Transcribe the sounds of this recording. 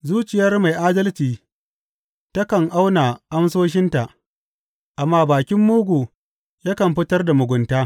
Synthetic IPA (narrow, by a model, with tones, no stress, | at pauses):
zuː˦t͡ʃɪ˨jɐ˦rma˨jʔaː˦dɐ˦lt͡ʃiː˨ | tɐ˦kɐ˨ŋʔa˦wna˨ʔa˦ms̬oː˦ʃ̬ɪ˦nta˨ʔ | ʔa˨mːaː˦baː˨kʲɪ˦mːuː˦ɡʷuː˨ | jaː˦kɐ˨mɸɪ˦tɐ˦rda˨mʊ˨ɡʷʊ˨ntaː˦